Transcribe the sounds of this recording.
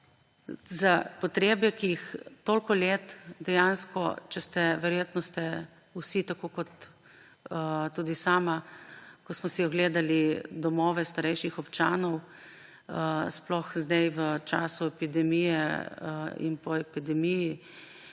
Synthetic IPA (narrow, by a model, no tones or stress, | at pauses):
zapɔt̪ɾeːbɛkijixt̪olkɔleːt̪d̪ɛjanskɔ̰t͡ʃɛst̪ɛʋɛɾjeːt̪nɔst̪ɛ | usit̪akoːkɔt̪ | t̪uːd̪isaːmakɔsmɔsiɔɡleːd̪alid̪ɔmɔːʋɛst̪aɾɛjʃixɔpt͡ʃaːnɔw | splɔxzd̪ɛjʋət͡ʃa̰ːsuɛpid̪ɛmijɛ | ḭnpɔɛpid̪ɛmiji